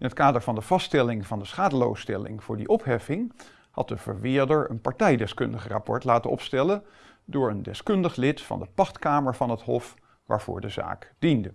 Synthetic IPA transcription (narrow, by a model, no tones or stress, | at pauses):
ɪnətkaːdəɹvɑndəv̥ɑstɛlɪŋvɑndəsχaːdəlo̰wstɛlɪ̰ŋv̥ʊːɹdḭʔɔpɦɛfɪŋ | hɑ̰t̚dəvə̰ɹʋɪːdəɹə̰npɑɹtɛjdɛskɵndəχəra̰pɔ̰ɹtlaːtənɔ̰pstɛlən | dʊːɹəndɛskɵndəχlɪtfɑ̰ndəpɑχtkaːməɹvɑnɦətɦɔf | ʋa̰ːɹv̥ʊ̰ːɹdəza̰ːkd̥ində